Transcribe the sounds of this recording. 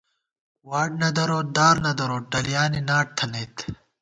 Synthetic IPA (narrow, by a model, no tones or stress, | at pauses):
waːɖ̚nɐd̪ɐɾoːd̪aːɾnɐd̪ɐɾoːɖɐlijaːninaːʈ̚t̪ʰɐneːt̪ʰ